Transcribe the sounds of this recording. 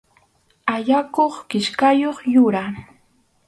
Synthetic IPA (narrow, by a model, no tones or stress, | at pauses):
aʎakoχkɪʃkajoχjʊɾaɾ